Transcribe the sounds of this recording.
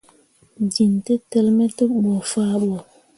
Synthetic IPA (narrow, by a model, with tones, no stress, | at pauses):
d͡ʒi˨nte˦tɛ˦lmɛ˦te˦ɓɔ˨faː˦ɓɔ˨